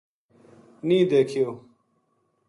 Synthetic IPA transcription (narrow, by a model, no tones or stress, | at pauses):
nĩːd̪ekʰijo